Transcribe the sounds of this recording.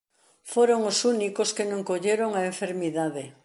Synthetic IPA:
foɾoŋosunikoskenõŋkoʎeɾoŋaeɱfeɾmiðaðe

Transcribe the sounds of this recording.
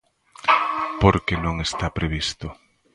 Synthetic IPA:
poɾkenõŋest̪apɾeβ̞ist̪ʊ

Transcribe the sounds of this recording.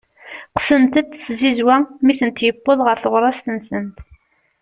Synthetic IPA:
qsənt̪əd̪θzizwæmiθənt̪jəpːoðˤʁəɾθəʁɾˤɑst̪ənsənt̪

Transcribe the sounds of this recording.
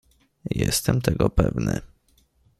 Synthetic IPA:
jɛst̪ɛmt̪ɛɡɔpɛvnɘ

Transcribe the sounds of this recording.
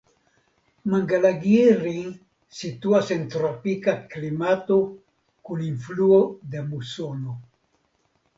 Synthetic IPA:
maŋɡalaɡiɾiŋ | sit̪uasent̪ɾopikaklimat̪o | kuniɱfluod̪emusono

